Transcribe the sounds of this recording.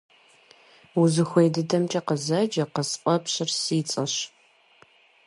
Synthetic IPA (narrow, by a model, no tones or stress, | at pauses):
wuzɨxʷejdɨdɐmt͡ʃʼɐqəzɐd͡ʒɐqəsqʷʼɔpɕɪrsɨːt͡sʼɐɕ